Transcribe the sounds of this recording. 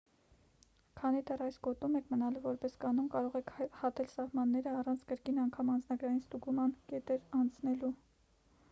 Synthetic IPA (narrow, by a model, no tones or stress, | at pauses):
kʰɑnid̪ɛrɑjsɡɔt̪umɛkʰmənɑluvɔɾpɛskɑnumkɑɾɔʁɛkʰhɑt̪ɛlsɑhmɑnːɛɾəɑrɑnt͡sʰkəɾkinɑŋkʰɑmɑnd͡znɑɡɾɑjinst̪uɡumɑnkɛt̪ɛɾɑnt͡sʰnɛlu